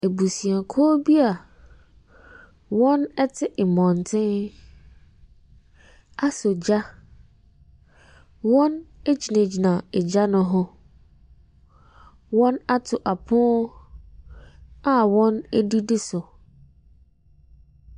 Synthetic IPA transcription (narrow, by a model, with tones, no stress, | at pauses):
e˨bu˨sĩ˨a˨kʰɔ˦bi˦a˨ | wɔ̃˦nɛ˦tʰɪ˦ʔɪ˨mɔ̃˨n˨tʰɪ̃˦n | a˦so˨d͡ʑa˦ | wɔ̃˦ne˦d͡ʑi˨nã˨d͡ʑi˨nã˨ɛ˨d͡ʑa˦nʊ̃˦ɦʊ̃˦ | wɔ̃˦na˦tʰʊ˨ʔa˨pʰʊ̃˦ | a˦wɔ̃˦nɛ˦di˦dɪ˦sʊ˨